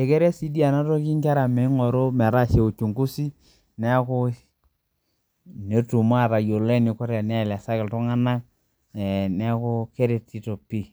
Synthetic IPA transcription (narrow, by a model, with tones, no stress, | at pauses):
ɛ˨kɛ˦ɾɛ˦si˦di˦a˨na˦tɔ˦ki˦ŋka˦ɾa˨mɛ˨˦ŋɔ˨ɾo˦mɛ˨ɾa˦ʃe˨u˨t͡ʃu˨ŋku˦si˦ | nɛ˦kʊ˦ | ne˦tu˨ma˦˨ɾa˨jo˨lɛ˦nɪ˨kɔ˦ɾɛ˨nɛ˦˨la˨sa˦kɪ˨ltʊ˦ŋa˦na˦k̚ | nɛ˦kʊ˦ke˦ɾe˨ti˦to˨pi˦˨